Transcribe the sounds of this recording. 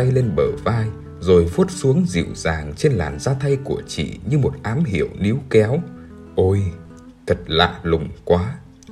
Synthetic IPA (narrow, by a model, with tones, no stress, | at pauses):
a˧jle˧nɓəː˧˩vaː˧j | zo˨˩jfu˦˥ət̚su˨˦əŋzḭ˧˨əwzaː˨˩ŋt͡ɕe˧nla̰ː˨˩nzaː˧t̪ʰa˧jku˧˩ət͡ɕḭ˧˨ɲɨ˧mo˨˩t̚ʔaː˨˦mɦḭ˧˩əwni˨˦wkɛ˨˦w | ʔo˧j | t̪ʰə˨˩t̚la̰ː˧˨lʊ˨˩ŋ͡mkwaː˨˦